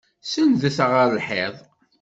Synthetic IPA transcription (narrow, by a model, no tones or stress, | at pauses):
sənðəθʁəɾlħeðˤ